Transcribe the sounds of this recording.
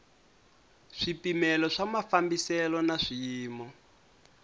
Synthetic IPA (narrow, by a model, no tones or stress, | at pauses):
ʂipimɛlɔʂamafambisɛlɔnaʂijiːmɔ